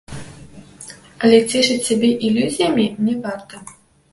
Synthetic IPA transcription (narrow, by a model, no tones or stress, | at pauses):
ɐlʲɛt͡sʲɛʂɨt͡sʲt͡sʲabʲɛʔilʲuzʲijɐmʲimnʲɛvart̪ɐ